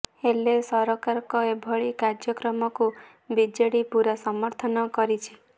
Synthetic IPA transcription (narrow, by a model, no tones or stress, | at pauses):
elesɔɾɔkaɾkɔebʱɔɭikaɾd͡ʒjɔkɾɔmɔku | bid͡ʒeɽipuɾɔsɔmɔɾt̪ʰɔnɔkɔɾit͡ʃʰi